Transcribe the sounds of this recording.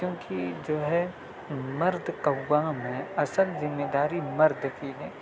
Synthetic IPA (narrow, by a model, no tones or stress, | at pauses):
kjõːkʰid͡ʒoːɦɛ | mɐɾd̪ʱkɐwwaːmẽɐsəlzɪmːed̪aːɾimɐɾd̪ʱkineː